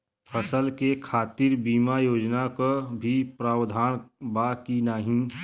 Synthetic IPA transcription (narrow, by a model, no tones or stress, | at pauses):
pʰəsəlkekʰaːt̪ɪɾbiːmajoːd͡ʒnakabʱipɾaːwd̪ʱaːnbaːkinaːɦĩ